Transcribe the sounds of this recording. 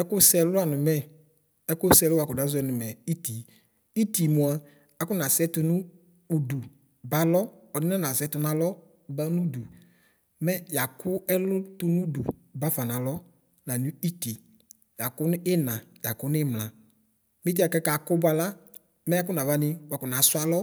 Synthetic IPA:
ɛ˦kʊ˦sɛ˦lʊ˦a˨nʊ˨mɛ˦ | ɛ˦kʊ˦sɛ˦lʊ˦a˨kʊ˨da˦zʊ˦ɛ˨nʊ˨mɛ˨i˦ti˨ | i˦ti˨mʊ˨a˨ | a˨˦kʊ˦na˨sɛ˦tʊ˧nʊ˦ | u˨du˨ | ba˨lɔ˦ | ɔ˨nɪ˦ɔ˦na˨sɛ˨˦tʊ˧na˨lɔ˦ | ba˦nu˦du˨ | mɛ˦ja˨kʊ˦ɛ˦lʊ˦tʊ˦nu˦dṵ˨ba˦fa˨nã˨lɔ˦ | na˨nũ˦i˦ti˨ | ja˨kʊ˦n˦ɪ˦nã˨ja˨kʊ˦n˦ɪ˦mla˨ | mi˦t̬i˦a˨kɛ˦ka˨kʊ˦ba˧la˦ | mɛ˦a˦k̬ʊ˦nã˨va˦nɪ˦wa˨kʊ˨na˨sʊ˦a˦lɔ˦

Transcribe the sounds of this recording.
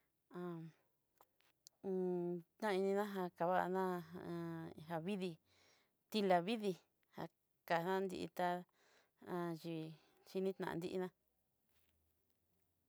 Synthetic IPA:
ã˧ | t̪nã˦˧i˧nĩ˧nã˦ɦa˧ka˨βa̰˦˧nã˦˧ | ɦa˧βi˦ði˧ | t̪i˧la˧βi˦ði˧ | ha̰˧ | ka˨˧nã˦nd̪ḭ˧ḭ˧t̪a˧ | ã˧ʒi˧˨ | t͡ʃi˧nĩ˦t̪nã̰˨ã̰˧nd̪i˦ʔi˧nã˦

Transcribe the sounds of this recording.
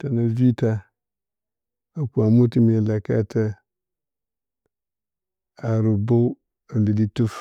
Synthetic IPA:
ta˨na˨vi˦ta˦ | a˨ku˨a˨mu˦ti˦mi˨a˨la˨ka̰˦tʰa˦ | a˨ɾu˨bo˦ | a˨bi˨li˦tu˦f

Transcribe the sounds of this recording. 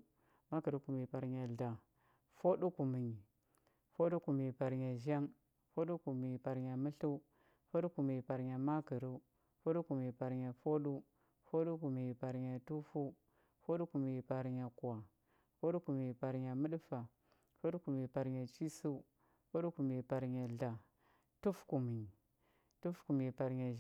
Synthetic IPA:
ma˦kə˨ɾu˦ku˨mi˨pa˨ɾɲa˨ɮa˨ | fo˦ɗu˦ku˨mi˨ɲi˨ | fo˦ɗu˦ku˨mi˨i˨pa˨ɾɲa˨ʒa˦ŋ | fo˦ɗu˦ku˨mi˨ɲi˨pa˨ɾɲa˨mə˦ɬu˦ | fo˦ɗu˦ku˨mi˨ɲi˨pa˨ɾɲa˨ma˦kə˨ɾu˦ | fo˦ɗu˦ku˨m˨i˨pa˨ɾɲa˨fo˦ɗu˦ | fo˦ɗu˦ku˨mi˨pa˨ɾɲa˨tu˦fu˦ | fo˦ɗu˦ku˨mi˨pa˨ɾɲa˨ka˨ | fo˦ɗu˦ku˨mi˨pa˨ɾɲa˨mu˦ɗu˦fa˨ | fo˦du˦ku˨mi˨pa˨ɾɲa˨t͡ʃi˦su˦ | fo˦ɗu˦ku˨mi˨pa˨ɾɲa˨ɮa˨ | tu˦fku˨mi˨ | tu˦fku˨mi˨pa˨ɾɲa˨

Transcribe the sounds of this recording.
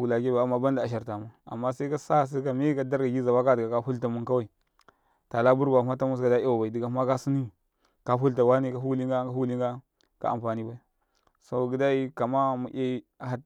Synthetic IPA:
u˨la˨ɡe˦ba˨a˨˦ma˨ba˦nda˨a˨ʃ̬a˨ɾta˨ma˨a̰˨mːa˦sa˦i˦ka˦sa˦s̬a˦ka˨mi˦ka˦da˦ɾɡa˨ɡi˦za˨wa˦ka˦di˨ɡa˨ka˦hu˦lta˨mu˦nka˦wa˦˨i˨ | ta˨la˦bu˦ɾɡʷa˨˦ma˦ta˦mu˦s̬ka˨da˦a˦wa˨ba˨i˨di˨ɡa˨˦ma˦ka˦si˦ni˦ | ka˦ɦu˦lta˨wa˦ni˦ka˨˦ɦu˦li˦ŋɡa˦ɡa˦hu˦li˦ŋɡa˦ | ka̰˨a̰˨mfa˨ni˦ba˨i˨ | so˦˨ɡi˨da˦i˦ka˨ma˦mu˨ʔe˦a˨ɦa˦

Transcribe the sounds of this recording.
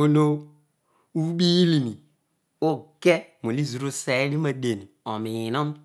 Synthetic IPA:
o˦lo˦ | u˦bi˦li˨mi˨ | o˦ke˦m˨o˨li˦zu˨ɾo˦se˨˦li˦ma˨de˨ni˨o˨mi˨ji˨no˦m˦

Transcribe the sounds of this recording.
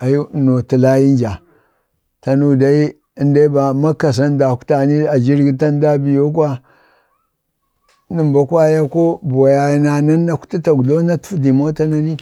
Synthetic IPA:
a˨ju˦no˨ti˨la˦ji˦n˦d͡ʒa˨ | ta˨nu˦˨da˦i˦ | nda˦i˦ba˨ma˦ka˨s̬a˦n˦da˨ku̥˦ta˨ni˦a˨d͡ʒi˦ɾɡi˦ta˦n˦da˦bi˨jo˦k̬a˦ | nə˨mba˦kwa˦ja˦ko˦bo˨ja˨˦na˨na˦nː˦a˦ku̥˦ti˦ta˨ɡu˨lo˦na˦tu̥˦fdi˨mo˦ta˦na˦ni˦

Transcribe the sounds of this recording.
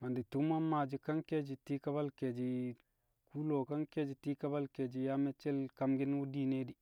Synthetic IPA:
ma˨ndi˨tu˦ma˦ma˨d͡ʒi˨˦ka˦nke˦d͡ʒi˨ti˦ka˦ba˦lke˨d͡ʒi˨ | ku˦lo˨ka˦nke˦d͡ʒi˨ti˦ka˦ba˦lke˨d͡ʒi˨ja˦me˦t͡ʃe˦lka˨mɡi˦n˦wu˦di˦ne˦di˨

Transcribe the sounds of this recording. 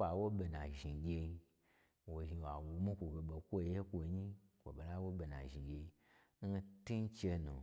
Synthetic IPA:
k͡pa˨wo˦be˨nã˨ʒi˨ɡʲe˧i˧ | wo˨ʒi˧wa˨wu˨mu˦kʷo˨ɡe˨ɓo˨kʷo˦˨je˦kʷo˨˦ɲi˦kʷo̰˨ɓe˨la˦wo˦be˨na̰˨ʒi˨ɡʲe˧i˧ | n̩˦ti˦n˦t͡ʃe˧nṵ˨

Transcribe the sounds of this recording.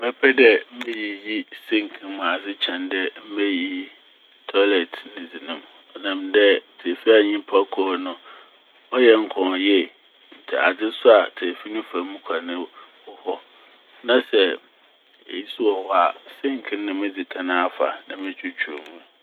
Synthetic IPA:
mɛ˦pʰɛ˦dɛ˦m̩˦mɪ̃˦ji˨ji˦sɪ̃˦ŋ˨kʰĩ˦mʊ̃˨a˨d͡zɪ˦t͡ɕʰɛ̃˨ndɛ˦m̩˦mɛ˦ji˦ | tʰɔ˦lɛ˨tʰnɪ̃˨d͡zi˨nũ˦m | ɔ˨nã˨mdɛ˦tʰɪ˨fi˦a˨ɲĩ˦pʰa˦kʰɔ˦nʊ̃˦ | ɔ˦jɛ˦ŋ̩˦kʰɔ̃˨jɛ˦ | n̩˨tʰɪ̰˨a̰˨d͡zɪ˦sʊ˦a˨tʰɪ˨fi˦nʊ̃˦fã˨˦mũ˦kʷʰa˨nɪ̃˦ | ɔ˦˨hɔ˦ | nã˦sɛ˨ | ḛ˨ji˦su˦ɔ˨hɔ˦a˨sɪ̃˦ŋ˨kʰɪ̃˦n˦nʊ̃˨mɪ̃˦d͡zi˨kʰã˦nã˦a˦˨fa̰˨nã˨mɪ̃˦t͡ɕʰᶣu˦t͡ɕʰᶣu˨ɾo˨mũ˦

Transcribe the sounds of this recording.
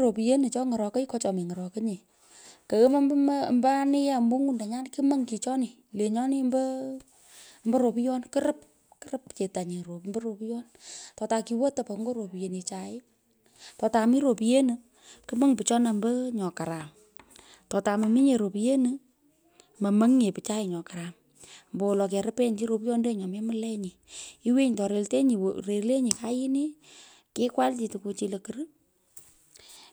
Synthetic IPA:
ɾo˨pi˨je˦nɨ˨t͡ʃɔ˦ŋə˨ɾɔ˨kə˦i˦kɔ˦t͡ʃɔ˨mi˨ŋə˨ɾɔ˨kə˦ɲe˨ | kə˨ɣə˦ma˦mbm˦mba˦a˦ni˦ja˦mbo˦ŋu˦nda˨ɲa˦nki˦mə˦ŋki˨t͡ʃɔ˦nɪ˨ | le˨ɲɔ˦ni˦mbə˦ | mbə˦ɾo˨pi˦jɔ˦nkɨ˦ɾə˦p̚ | kɨ̥˦ɾə˦pt͡ʃe˨ta˨ɲe˨ɾo˨mbə˦ɾo˨pi˦jɔ˦ntɔ˨ta˧ki˨wo˦ta˨po˨ŋɡo˦ɾo˨pi˨je˨ni˨t͡ʃa˨ɪ˦ | tɔ˨ta˨mi˦ɾo˨pi˨je˦nɨ˨ | kɨ˦mə˦ŋpɨ˨t͡ʃɔ˦na˨mbə˦ɲɔ˨ka˨ɾa˨m | tɔ˨ta˨mɐ˨mi˦ɲe˨ɾo˨pi˨je˦nɨ˨ | mə˨mə˦ŋɲe˨pɨ˨t͡ʃa˦ɪ˨ɲɔ˨ka˨ɾa˨m | mbo˨lɔ˨k̬ɛ˨ɾə˦pe˦ɲt͡ʃi˦ɾo˧pi˦jɔ˦nde˦ɲɔ˨me˦mɨ˦lɛ˦ɲi˨i˦we˦ɲtɔ˨ɾe˨lte˦ɲi˨wre˨˦le˦ɲi˨ka˦ji˦ni˦ | kɪ˦kwa˦lt͡ʃi˨tɨ˨ku˧t͡ʃi˧lə˨kɨ˦ɾɨ˦

